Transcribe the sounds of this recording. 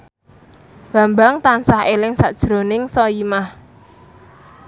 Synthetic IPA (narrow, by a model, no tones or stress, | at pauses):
b̥ä̤mbaŋt̪ansahelɪŋsa̰d̥ʒ̥ɾo̤nɪŋsɔimah